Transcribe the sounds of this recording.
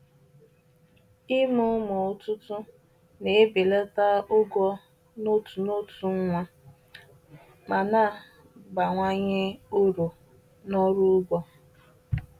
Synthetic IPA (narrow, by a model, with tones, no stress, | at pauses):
ɪ˦mʊ˦mʊ˨ʊ˦tʊ˦tʊ˦ | ne˨˦be˨le˦ta˦ʊ˦ɡɔ˦ | no˦tu˨no˦tu˨ŋ̩˦ŋʷa˦ | ma˨na˦˨ | ɡ͡ba˨ŋʷa˦ɲe˦o˦ɾo˨ | nɔ˦ɾu˦ɡɔ˦